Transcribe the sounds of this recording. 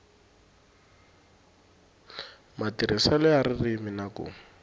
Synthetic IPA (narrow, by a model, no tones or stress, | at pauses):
matiɾʔɪsalɔaɾɪrɪmɪnakʊ̰